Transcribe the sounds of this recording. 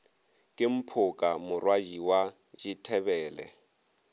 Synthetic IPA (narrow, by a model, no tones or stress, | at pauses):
kʼɪm̩pʰʊkʼamʊrwad͡ʒiwa | d͡ʒitʰɛbɛːlɛ̰